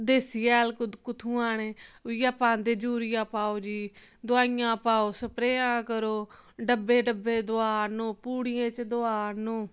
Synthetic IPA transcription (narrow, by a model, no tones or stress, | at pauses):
d̪eːsiːɛːlkkʊt̪ʰũːaːneːjaːpãːnd̪eːd͡ʒuːɾɪjãːpaːoːd͡ʒiː | d̪ʊaːijãːpaːoːsəpɾeːãːkəɾoːɖəbːeːɖəbeːd̪ʊaːnõːpuːɽɪjãːt͡ʃd̪oaːnõː